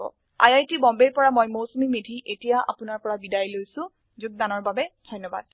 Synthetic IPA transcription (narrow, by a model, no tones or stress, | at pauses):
ɔ̰ | a̰jajtibɔmbeɹpɔɹamɔjmowsomimedʱiʔetijaʔa̰pʊnaɹpɔɹabidajlojsʊ̃ | zʊɡ̚danɔɹbabɛdʱɔjnːɔba̰d̚